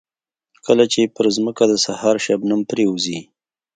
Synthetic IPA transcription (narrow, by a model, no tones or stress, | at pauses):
kəlat͡ʃepəɾzməkad̪əsahɑɾʃabnampɾeuzi